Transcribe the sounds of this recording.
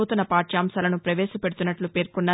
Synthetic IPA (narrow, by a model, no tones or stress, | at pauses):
uːt̪unɐpaːʈʃaːmsaːlɐnupɾɐʋeːʃɐpeɽut̪unːɐʈlupe̞ːɾkunːaː